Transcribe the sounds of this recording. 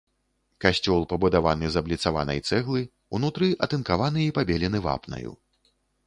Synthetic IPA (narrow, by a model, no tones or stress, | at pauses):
kasʲt͡sʲɔlˠpɐbud̪avanɨzɐblʲit̪sava̰nɐ̰jt̪sɛɣlˠɨ | unut̪ɾɨʔɐt̪ɨnkavanɨipabʲɛlʲinɨva̰pnɐ̰jṵ